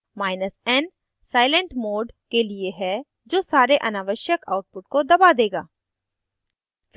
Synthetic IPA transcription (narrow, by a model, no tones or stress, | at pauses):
maːɪnəsɛn | saːɪlə̃ɳʈmoːɖkelieɦɛ | d͡ʒoːsaːɾeʔɐnaːʋəʃjəka̰ːʊʈ̚pʊʈ̚kod̪ɐbad̪eːɡa̰ː